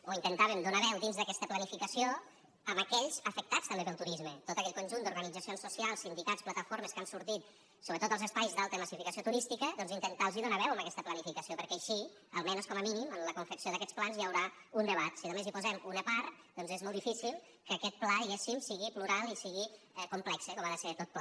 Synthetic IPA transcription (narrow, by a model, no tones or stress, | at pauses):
oint̪ənt̪aβemd̪onaβɛwd̪inzðəkɛst̪əplənifikəsio | əməkɛʎzəfək̚t̪at͡st̪əmbeəlˠt̪uɾizmət̪ot̪əkɛt̪kunʲʒund̪uɾɣənid͡zəsionsːusialˠsːind̪ikatt͡splət̪əfoɾməskansuɾt̪it̪ | soβɾət̪ot̪əlzəspajzðalˠt̪əməsifikəsiot̪uɾist̪ikəðɔnzint̪ənt̪alˠziðonaβɛwəmbəkɛst̪əplənifikəsiopəɾkɛːʃi | əlˠmɛnoskɔməminimənləkuɱfəksioðəkɛt͡ssplanzjəwɾaundəβ̞at̪siðəmezipuzɛmunəpaɾt̪ | d̪ɔnzezmɔlˠd̪ifisilˠ | kəːkɛt̪̚plaðiɣesimsiɣipluɾalˠisiɣi | kumplɛksəkɔmaðəset̪ot̪̚pla